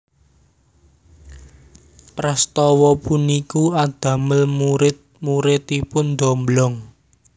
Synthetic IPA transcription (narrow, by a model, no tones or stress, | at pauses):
pɾast̪ɔwɔpunikuad̪̥ä̤məlmuɾɪt̪̚ | muɾɪt̪ipʊnd̪ɔmblɔŋ